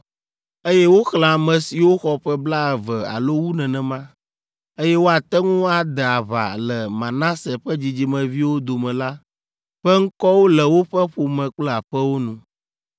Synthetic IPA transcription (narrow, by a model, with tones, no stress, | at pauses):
e˦jɛ˦wo˦xlã˨mɛ̃˨si˨wo˦xɔ˨ɸɛ˦bla˦ɛ˨vɛ˨a̰˨lo˦wu˦nɛ̃˨nɛ̃˨mã˦ | e˦jɛ˦wo˦a˨t̪ɛ˦ŋũ˦a˨d̪ɛ˨a˨βa̰˨lɛ˨mã˨nã˦sɛ˨ɸɛ˦d͡ʑi˨d͡ʑi˨˦mɛ̃˨vi˦wo˦d̪o˨mɛ̃˨la˦ | ɸɛ˦ŋ̩˦kɔ˦wo˦lɛ˨wo˦ɸɛ˦ɸo˨mɛ̃˨k͡plɛ˦a˨ɸɛ˦wo˦nũ˨